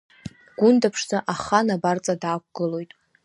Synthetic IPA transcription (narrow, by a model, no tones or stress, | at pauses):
ɡ̥ʷʊndapʰʂzaʔaχanabart͡sʼadaːk̚ʷʰʼɡ̥ɨlo̞jtʼ